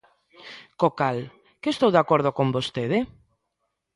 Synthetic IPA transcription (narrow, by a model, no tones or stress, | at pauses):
kokal | kest̪owðakoɾð̞okombost̪eðɪ